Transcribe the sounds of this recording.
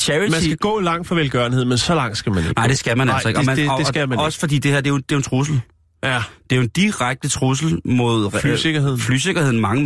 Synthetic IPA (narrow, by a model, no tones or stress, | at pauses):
t͡ɕʰæɹimænsiɡ̥æɡ̥ɔ̰ːlɑ̈ŋ̰d̥fɒʋelɡ̥ɶɐnhe̝ð̞̰ˠmensɒ̽lɑ̈ŋ̰sɡ̥æmæneɡ̥ɑ̈ɪ̰d̥e̝sɡ̥æmænæl̰ɒ̽e̝ɡ̥ɒmænmɒ̽sə̥fɒ̽d̥ḭːd̥e̝heɐ̰d̥e̝jod̥e̝jont͡sʰʁus̬l̩ | æd̥e̝æjoend̥iʁaɡ̥̚d̥ət͡sʰʁus̬l̩mo̝ð̞̰ˠyseɡ̥ɐheð̰ˠfly̰ːse̝ɡ̥ɐheð̞̰ˠn̩mɑ̈ŋə